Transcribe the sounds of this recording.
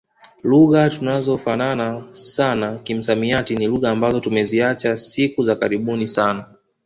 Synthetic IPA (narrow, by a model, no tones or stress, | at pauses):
luɣatunazɔfananasanakim̩samiatiniluɣaːmbazɔtumɛziat͡ʃasikuzakaɾiɓunisana